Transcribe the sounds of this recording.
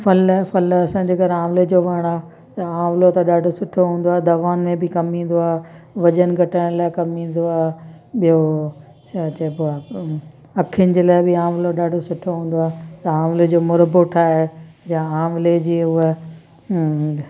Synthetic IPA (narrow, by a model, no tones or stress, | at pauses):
fɐlfɐlɐsãːɲ̆d͡ʑeːɡɐɾaːmled͡ʑoːʋɐɽ̃aː | t̪ɐaːmlot̪ɐɗaːɖʱosʊʈʰoɦũːn̆d̪oaːɦed̪ɐʋaːnmẽbɪkɐmĩːn̆d̪oaːʋɐd͡ʑənɡʱɐʈəɽ̃laːɪkɐmĩːnd̪oaː | ɓijo | st͡ɕebʊa | ɐkʰijənɪ̆d͡ʑeːlaːɪbɪaːmloɗaːɖʱosʊʈʰoɦũːn̆d̪oaːt̪ɐaːmled͡ʑoːmʊɾəboʈʰaːed͡ʑãaːmled͡ʑiːʊɦe